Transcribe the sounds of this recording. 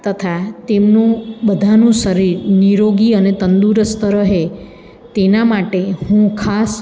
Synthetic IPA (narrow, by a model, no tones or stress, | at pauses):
t̪ət̪ʰat̪emnũbəd̪ʱanũʃəɾiɾniɾoɡiənet̪ənd̪uɾəst̪əɾəɦe | t̪enamaʈehũkʰas